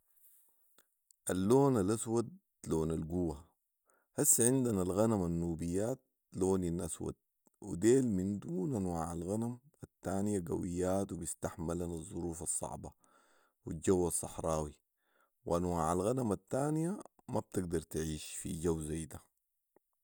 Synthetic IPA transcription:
ʔalːoːnalʔaswad̪̚ | loːnalɡuwa | hasːʕɪnd̪analɣanamanːuːbijːaːt̪̚ | loːninʔaswa̰d̪̥̚ | wḭd̪eːlmind̪uːnʔanwaːʕalɣanam | at̪ːaːnijaɡa̰wijːaːt̪wibist̪aħmalanɑzˤːuɾuːfɑsˤːɑ̰ʕbɑ̰ | wid͡ʒawːɑsˤːɑħɾˤɑːwi | wʔanwaːʕalɣanamat̪ːaːnijamab̚t̪iɡ̚d̪ɑɾˤt̪ʕiːʃfḭɟawːzajd̪a

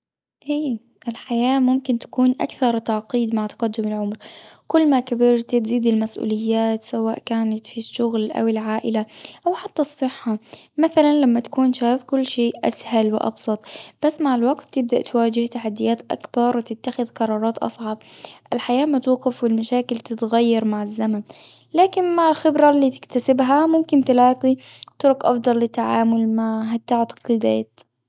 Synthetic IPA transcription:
ʔeː | ʔɪlħajaːmʊmkɪnt̪ḁkuːnʔa̰kθɑɾˤt̪ɑʕqiːd̪maʕt̪ɑ̥qad̪ːʊmɪlʕʊmɾkʊlːmakabɪɾt̪ɪt̪ziːd̪ɪlmasʔṵːlɪjːaːt̪sawaːʔkaːnat̪fiʃːʊɣlʔa̰wɪlʕaːʔɪlaʔawħat̪ːasˤːɨħːamaθalanlamːat̪ḁkuːnʃaːfkʊlːʃeːʔa̰shalwɪʔɑ̰bsˤɑt̪ˤb̥asːmaʕɪlwaɡt̪ːɪb̚d̪a̰ʔt̪waːd͡ʒɪht̪aħad̪ːɪjaːt̪ʔa̰kbɑɾˤwt̪ɪt̪ːaxɪðqɑɾˤɑːɾˤɑːt̪ʔɑ̰sˤʕɑbʔɪlħajaːmat̪uːqɪfwɪlmaʃaːkɪlt̪ɪt̪ɣajːɑɾˤmaʕɪzːaman | laːkɪnmaʕɪlxɪbɾalːiːt̪ɪ̥kt̪asɪbɦamʊmkɪnt̪ɪlaːqit̪ʊɾʊkʔɑfd̪ˤɑlːɪt̪ːaʕaːmʊlmaɦat̪ːaʕt̪qɪd̪aːt̪

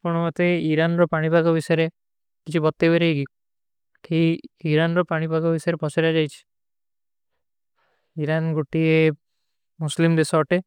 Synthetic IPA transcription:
pɔɽ̃ɔmɔt̪eiɾanɾɔpaɽ̃ipaɡɔbisɔjɾe | kit͡ʃʰubɔt̪ːebeɾejɡi | kʰiiɾanɾɔpaɽ̃ipaɡɔbisɔɾepɔseɾad͡ʒajt͡ʃʰi̥ | iɾanɡoʈie | muslimd̪esɔːʈe

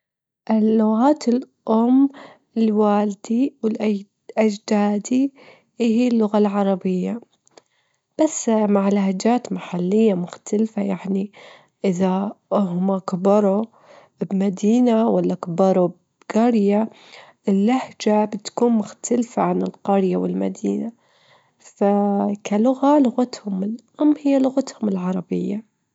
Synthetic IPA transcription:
ʔɪːʊɣaːt̪ɪl | ʔʊmː | ɪlwaːld̪̥iwɪlʔa | ʔad͡ʒd̪aːd̪i | ʔɪhilːʊɣalʕɑɾˤɑbɪjːa | b̥asːmaʕɪlhad͡ʒaːt̪maħalːɪjːamʊxt̪alfajaʕni | ʔɪðahʊmakabɑɾˤo | bmad̪iːnawalːakabɑɾˤob | ɡɑɾja | ʔɪlːahd͡ʒabɪt̪kuːnmʊxt̪ʰalfaʕanɪlqɑɾjawɪ̰lma̰d̪ḭːna | fakalʊɣalʊɣat̪hʊmɪlhʊmːhɪjːalʊɣat̪hʊmɪlʕɑɾˤɑbɪ̰jːa

